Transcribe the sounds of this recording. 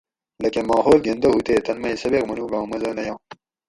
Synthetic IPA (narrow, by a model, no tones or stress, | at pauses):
lɐkemɑːɦoːlɡend̪ɐut̪eːt̪ɐnmɐisɐbekmɐnuːɡɑ̃ːmɐzɐnɐjɑ̃ː